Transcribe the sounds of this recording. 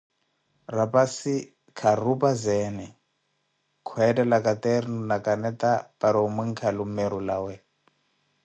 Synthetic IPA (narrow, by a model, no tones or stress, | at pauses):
rapasi | kʰarupʼazɛːnɛ | kʰwɛdɛlakʼat̪ɛɾinunakʼanɛt̪apaɾɔumɛŋ̩kʰalumɛɾulawɛ